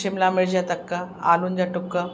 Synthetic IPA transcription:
emlameɭd͡ʑat̪əkːəa̰luːnd͡ʑaʈukːə

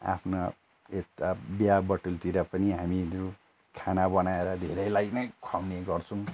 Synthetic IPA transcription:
a̰pʰna | et̪abjabʌʈult̪iɾʌpʌniɦamiɾu | kʰanabʌnaeɾʌd̪ʱeɾʌjlajnʌjkʰawneɡʌrt͡sʰʌw̃

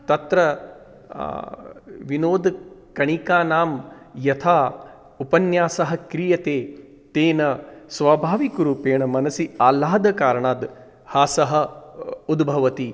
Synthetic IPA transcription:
t̪ɐt̪ɾɐ | ʋinoːd̪kɐɳikaːnaːm | jɐt̪ʰaː | upɐnjaːsɐɦɐ̆kɾijɐt̪eː | t̪eːnɐsʋaːbʱaːʋikuɾuːpeːɳɐmɐnɐsiaːlaːd̪ɐkaːɾɐɳaːd̪ | haːsɐɦɐ̆ud̪bʱɐʋɐt̪i

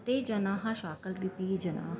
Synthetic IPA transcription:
t̪eːd͡ʒɐnãːɦãʃaːkəlɾipiːd͡ʒəna̰ːɦ

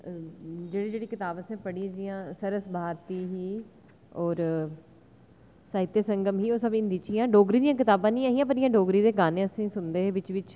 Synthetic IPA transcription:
d͡ʒeːɽiːd͡ʒeːɽiːkɪt̪aːbəsẽːpəɽiːd͡ʒijãːsəɾəsbʱaːɾt̪iːɦiː | ɔːɾ | saːɦɪt̪ːesə̃ŋɡəmɦiːoːsəbɪ̃nd̪iːt͡ʃiãːɖoːɡɾiːd̪ijãːk̬ɪt̪aːbãːnĩːaːɦiːãːp̬əɾɪjãːɖoːɡɾiːd̪eːɡaːnẽːəsĩːsʊnd̪eːʋɪt͡ʃʋɪt͡ʃ

